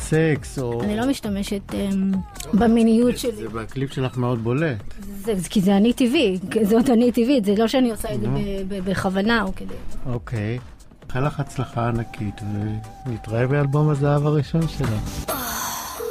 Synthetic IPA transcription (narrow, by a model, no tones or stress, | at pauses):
seksoanilo̞miʃtameʃet̪ebaminijutʃelibaklipʃelaχmeo̞d̪̚bo̞let | zekizeanitivikzot̪anitivitzelo̞ʃeaniosaedzebebebeχavanaoked̪eokʰej | χelaχat͡slaχaːnakʰitve | nitʁaevbealbo̞mazaavaʁiʃo̞nʃelaχ